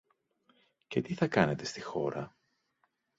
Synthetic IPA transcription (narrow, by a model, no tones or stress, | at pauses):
ce̞t̪iθɐkɐne̞t̪e̞st̪ixo̞̰ɾɐ